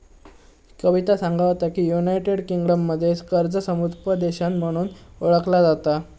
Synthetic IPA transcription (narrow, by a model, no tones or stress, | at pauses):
kəʋit̪asaŋɡʱaʋt̪akiːjunajʈeɽkiŋɡɽəmːəd̪ʱːjeskəɾd͡zəsəmud̪pəd̪eɕanm̤əɽ̃uːnoɭəklad͡zat̪a